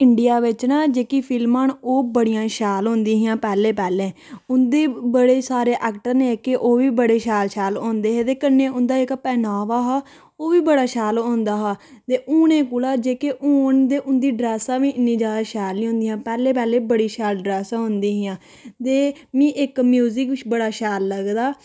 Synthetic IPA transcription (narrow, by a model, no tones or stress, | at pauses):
ɪɳɖɪjaːʋɪt͡ʃnãːd͡ʒeːkiːpʰɪlmãːnoːbəɽɪjãːʃɛːlɦõːnd̪iːɦɪjãːpɛːleːpɛːlẽːʊnd̪eːbəɽeːsaːɾeːʔɛːkʈəɾneːkɪʔoːʋiːbəɽeːʃɛːlʃɛːlõːnd̪eːɦeːt̪eːkənːẽːʊ̃nd̪aːɪkpɛːnaːʋaːɦaː | oːʋiːbəɽaːʃɛːlõːnd̪aːɦaːt̪eːʔuːɳẽːkʊlaːd͡ʒeːkeʔuːɳd̪eːʔʊnd̪iːɖɾɛːsãːʋĩːɪnːĩːd͡ʒaːd̪aːʃɛːlːĩːɦʊ̃ːnd̪iːãːpɛːleːpɛːlẽːbəɽiːʃɛːlɖɾɛːsãːɦʊnd̪iːɦɪjãː | t̪eːmĩːʔɪkmjuːzɪkʋɪt͡ʃbəɽaːʃɛːlːəɡd̪aː